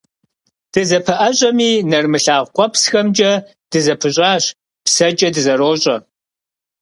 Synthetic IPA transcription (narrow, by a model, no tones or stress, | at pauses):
d̥ɨzɐpʰɨʔɐɕʼɐmiːnɐrmɨɬaːʁʷqʷʼɔpsxɐmd͡ʒʼɐ | d̥ɨzɐpʰɨɕʼaːɕ | psɐd͡ʒʼɐdɨzɐɾoːɕʼɐ